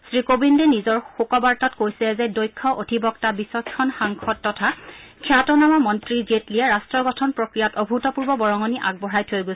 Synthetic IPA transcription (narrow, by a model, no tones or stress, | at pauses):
sɹikobindɛnizɔɹxukɔbaɹtɔtkojsɛzɛdojkʰːɔʔotʰibɔktabisɔskʰːɔnxaŋkʰɔt̚ːɔtʰakʰiatɔnamamɔntɹizetliɛɹastɹɔɡɔtʰɔnpɹokɹijatɔbʱutɔpuɹbɔbɔɹɔŋɔniʔa̰ɡ̚bɔɹajtʰojɡo